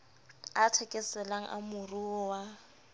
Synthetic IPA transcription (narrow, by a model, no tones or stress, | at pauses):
atʰɛkʼɛsɛlaŋ̩̰ʔa̰mʊruɔwa